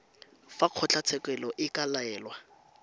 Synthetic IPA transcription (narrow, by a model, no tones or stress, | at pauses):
faq͡χʰɔt͡ɬʰʼat͡sʰɛkʼɛlɔʔɪkʼalaɛːlwa